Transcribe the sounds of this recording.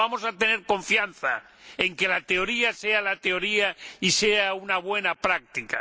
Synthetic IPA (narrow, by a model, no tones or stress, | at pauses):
amo̞sat̪e̞ne̞ɾko̞ɱfjanθa̰ | eŋke̞lat̪e̞o̞ɾiasealat̪e̞o̞ɾiaiseaunaβ̞we̞napɾak̚t̪ika